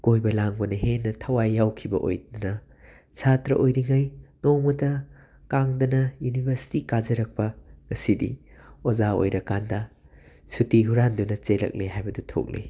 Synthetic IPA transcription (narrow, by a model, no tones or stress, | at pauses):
kojbɐlaŋbɐnɐɦenːɐtʰɐwajːawkʰibɐ̰ʔo̰jdnɐ | satɾɐʔojɾiŋajnowmɐtɐ | kaŋdɐnɐjunibʱɐɾsi̥tikazɐɾɐk̚pɐŋɐsidḭozao̰jɾɐkandɐ | sutiɦuɾandunɐt͡ʃelɐ̰k̚leɦajbɐdutʰo̰k̚lḛ